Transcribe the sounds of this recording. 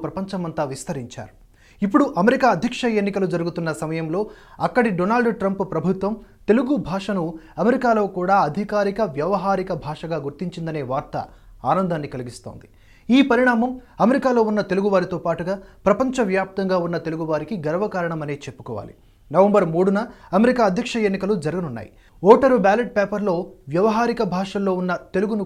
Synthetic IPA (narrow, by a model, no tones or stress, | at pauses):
pɾɐpɐɲt͡ʃɐmɐnt̪aːʋist̪ɐɾiɲt͡ʃa̰ːɾu | ipːuɽuʔɐmeɾikaːɐd̪ʱjɐkʂɐenːikɐlud͡ʒɐɾuɡut̪unːɐsɐmɐjɐmlo̞ː | ɐkːɐɽiɖonaːlɖʈɾɐmppɾɐbʱut̪ʋɐmt̪e̞luɡubʱaːʂɐnuɐmeɾikaːlo̞ːkuːɽaːɐd̪ʱikaːɾikɐʋjɐʋɐɦaːɾikɐbʱaːʂɐɡaːɡuɾt̪iɲt͡ʃind̪ɐne̞ːʋaːɾt̪ɐ̰ | aːnɐnd̪ʱaːnːikɐliɡist̪o̞̰ːnd̪i | iːpɐɾiɳaːmɐmɐmeɾikaːlo̞ːunːɐt̪e̞luɡuʋaːɾit̪oːpaːʈuɡaːpɾɐpɐɲt͡ʃɐʋjaːp̚t̪ɐŋɡaːunːɐt̪e̞luɡuʋaːɾikiɡɐɾɐʋɐkaːɾɐɳɐmɐneːt͡ʃepːu̥kɔːʋa̰ːlḭ | nɐʋɐmbɐɾmuːɽunɐɐmeɾikaːɐd̪ʱjɐkʂɐenːikɐlud͡ʒɐɾɐɡɐnunːa̰ːjḭ | ɔːʈɐɾubaːleʈ̚peːpɐɾlo̞ːʋjɐʋɐɦaːɾikɐbʱaːʂɐllo̞ːunːɐt̪e̞luɡunu